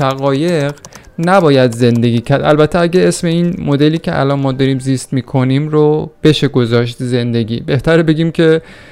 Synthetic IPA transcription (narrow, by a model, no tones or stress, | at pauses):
æɣɒːje̞ɣ | næbɒːjæd̪ze̞nd̪e̞ɡʲiːcʰæɾd̪ælbæt̪ʰːeæɟʲeesme̞iːnmo̞d̪e̞liːcʰeʔæ̰lɒːnmɒːd̪ɒːɾiːmziːst̪miːkʰo̞nimɾob̥e̞ʃe̞ɡozɒːʃt̪ze̞nd̪e̞ɟʲiːbe̞ht̪ʰæɾebe̞ɟʲiːmcʰe̞